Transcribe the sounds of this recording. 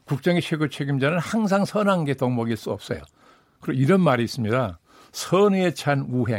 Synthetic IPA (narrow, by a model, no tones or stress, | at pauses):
kuk̚t͡ɕ͈ʌŋet͡ɕʰeɡot͡ɕʰe̞ɡimd͡ʑanɯnhaŋs̬ʰaŋsʰʌnaŋɡe̞toŋmʌɡiɭs͈uʌp̚s͈ʌ̰jo̰ | kɯɾʌiɾʌnmaɾiːs͈ɯmɲida | sʰʌnɯe̞t͡ɕʰanuɦe̞̰